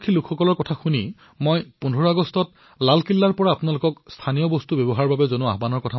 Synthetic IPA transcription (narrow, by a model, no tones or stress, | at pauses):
kʰːilukʰxɔkɔlɔɹkɔtʰaxuni | mojpundʱɔɹaɡɔstɔt̚ | lalkilːaɹpɔɹaːpʊnalʊkɔkst̪ʰanijɔbɔstubɔbɔɦaɹbabɛzonʊaɦbanɔɹkɔtʰa